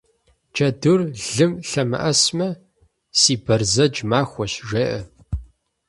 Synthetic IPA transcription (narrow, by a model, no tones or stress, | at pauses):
t͡ʃʰʼɐdurɮɨmɬɐmɐ̰ʔɐsmɐ | siːbɐrzɐd͡ʒmaːxʷɔʃʒeːʔɐ